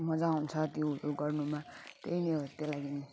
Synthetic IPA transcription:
mʌd͡zaunt͡sʰʌt̪iuɾuɡʌrnumat̪eineot̪elaɡini

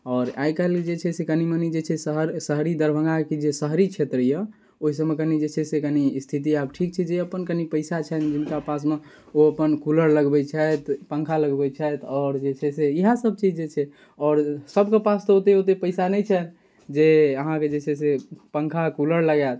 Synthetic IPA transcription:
ɔːɾa̰ikald͡ʒet͡ʃʰɛsekənimənid͡ʒet͡ʃʰɛsəɦɾsəɦɾid̪əɾbʱə̃ŋɡakid͡ʒesəɦɾit͡ʃʰet̪ɾjə | oɦis̬əmekənid͡ʒet͡ʃʰɛsekənist̪ʰit̪̬iabʈʰik̚t͡ʃʰɛd͡ʒeəpənkənipəɪsat͡ʃʰɛnd͡ʒinkapas̬me | oəpənkuləɾləɡbɛt͡ʃʰɛt̪pə̃ŋkʰaləɡbɛt͡ʃʰɛt̪ɔːɾd͡ʒet͡ʃʰɛseiɦasəb̚t͡ʃid͡ʒd͡ʒet͡ʃʰɛ | ɔːɾsəbkepast̪ɔot̪eot̪epəɪsanəjt͡ʃʰɛ | d͡ʒeəɦãked͡ʒet͡ʃʰɛsepə̃ŋkʰakuləɾləɡat̪

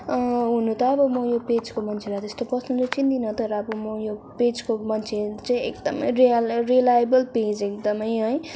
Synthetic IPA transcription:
ɦunũt̪ʌːbʌmʌjoped͡zkomʌnt͡sʰelat̪est̪opʌsnũd͡zʌt͡sint̪inʌt̪ʌɾʌːbʌmʌjoped͡zkomʌnt͡sʰet͡sʌĩek̚d̪ʌmʌ̰jrerelajabʌlpẽd͡zekd̪ʌmʌjɦʌj

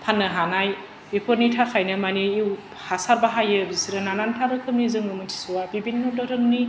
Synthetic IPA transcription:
pʰanːɐɦanaj | bipʰoɾnitʰakʰajnɯmaniːw | hasaɾbaɦajɯbisiɾɯnanantʰabɯkʰɯmnizɯŋɯmɯtʰi̥suwabibinːodɔɾɯŋni

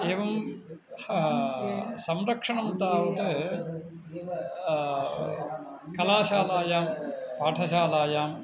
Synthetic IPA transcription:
eːʋɐm | sɐmɾɐkʂɐɳɐmt̪aːʋɐðɯ | kɐlaːʃaːlaːjaːmpaːʈʰɐʃaːlaːjaːm

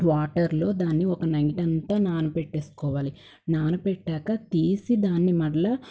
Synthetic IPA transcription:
ʋaːʈɐɾlo̞ːd̪aːnːiɔkɐnɐjʈɐnt̪aːnaːnupeʈːe̞ːsu̥kɔːʋaːli | naːnupɛʈːaːkɐkeːsid̪aːnːimɐɽɐlɐ

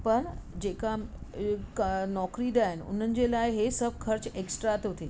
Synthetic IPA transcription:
pɐɾd͡ʑeːka | knɔːkɾid̪aːɦɪnɪ̆ʊ̰n̤ənɪ̆d͡ʑelaːɪɦesɐb̚ʱkʰɐɾt͡ɕeːksʈɾat̪ɦʊt̪ʰe

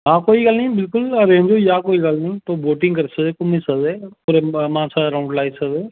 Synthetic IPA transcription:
ɦãːkoːiɡɐlnəĩbɪlkʊləɾẽːɲd͡ʒojaːkoːiɡəlnɐĩːt̪oːboːʈɪ̃ŋɡkɐɾsəkd̪eːkʊmĩsɐkd̪eːpuɾemãːsaɾaːʊ̃ɳɖlaːɪsɐkd̪eː

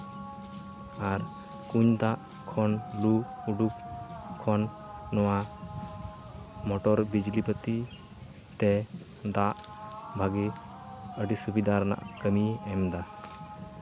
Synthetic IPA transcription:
aɾ | kuɲd̪aʔ | kʰɔnluuɖuk̚kʰːɔnː | ɔwa | mɔʈɔɾbid͡ʒlipət̪i | t̪ɛ | d̪aʔ | bʱaɡi | əɖisubid̪aɾɛna̰ʔkəmiɛmd̪a

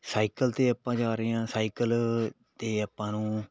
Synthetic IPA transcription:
saːikəlt̪eːəpãːd͡ʒaːɾeːãːsaːikəl | t̪eːəpːãːnũː

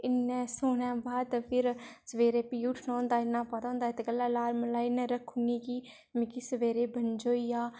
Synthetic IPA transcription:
ɪnːɛ̃ːsoːnɛ̃ːbaːd̪pʰɪɾsəʋeːɾeːpiːuːʈʰnõːnd̪aːɪnːãːpət̪ãːnd̪aːɪt̪eɡəlːaːlaːɾməlaːɪnɛ̃ːɾəkʰːuniːkiː | mɪkiːsəʋeːɾeːbənd͡ʒoːijaː

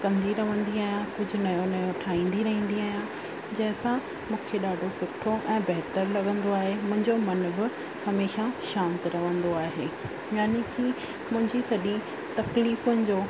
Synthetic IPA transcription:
kɐ̃nd̪iɾɐʋə̃nd̪iaːɦijãkʊd͡ʑʱʊ̆nɐjonɐjoʈʰaːĩːn̆d̪iɾɐɦĩːn̆d̪iaːɦijã | d͡ʑɐ̃ɦɪ̃sã | mũːkʰeɗaːɖʱosʊʈʰoʔɛ̃ːbɐɦt̪əɾlɐɠə̃nd̪oaːɦemʊ̃ɦɪ̃ɲd͡ʑomɐnbɪ | hɐmeːʃaʃãːnt̪ɪɾɐʋə̃nd̪oaːɦeː | jaːnekiː | mʊ̃ɦɪ̃ɲd͡ʑisɐɗĩ | t̪ɐkliːfʊnɪ̆d͡ʑoː

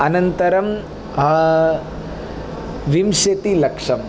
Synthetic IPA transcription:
ɐnɐnt̪ɐɾɐm | ɦ | ʋimʃɐt̪ilɐkʂɐm

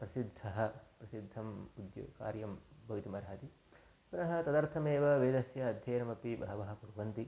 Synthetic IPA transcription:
pɾɐsid̪ʱːɐɦɐ̆pɾɐsid̪ʱːɐmud̪jṵka̰ːɾjɐmbʱɐʋit̪imɐɾaaːt̪i | punɐɦɐt̪ɐd̪ɐɾt̪ʰɐmeːʋɐʋeːd̪ɐsjɐːd̪ʱjɐːnɐmɐpibɐɦɐʋɐɦɐ̆puɾʋɐnt̪i

